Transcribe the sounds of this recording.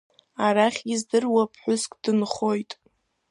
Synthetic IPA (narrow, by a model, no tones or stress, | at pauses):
aɾaχʲɡɪzdɨrwapʰħʷᶣʊskʼd̥ɨnχo̞jtʼ